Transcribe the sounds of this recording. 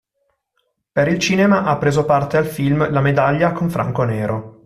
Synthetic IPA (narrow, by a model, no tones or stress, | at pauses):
peɾilt͡ʃiːnemaʔapːɾeːzopart̪ealfilmlamed̪aʎːakoɱfɾʔa̰ŋkoneːɾo